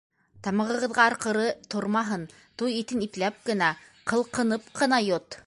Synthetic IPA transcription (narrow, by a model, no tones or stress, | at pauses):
t̪ɑmɤ̆ʁɤ̆ʁɤ̆ðʁɑɑɾqɤ̆ɾɤt̪ʰoɾmɑɦɤn | t̪ujit̪ɘniplæp̚kɘ̆næ | qɤ̆lˠqɤ̆nɤpqʰɤ̆nɑjot̪